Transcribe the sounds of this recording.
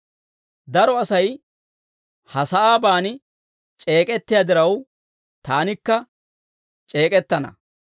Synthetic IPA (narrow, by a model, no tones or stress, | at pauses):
d̪ɐɾɔɐsɐj | hɐsɐʔaːbaːnɪ | t͡ʃʼe̞ːkʼɛt̪ːɪjad̪ɪɾɐw | t̪aːnɪkːɐ | t͡ʃʼe̞ːkʼɛt̪ːɐnɐ̰